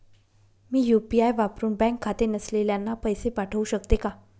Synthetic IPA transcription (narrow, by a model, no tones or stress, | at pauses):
miːjupiajʋapɾuːnbɛ̃ŋkʰːat̪enəsleljanːapəjsepaʈʰəuːɕəkt̪eka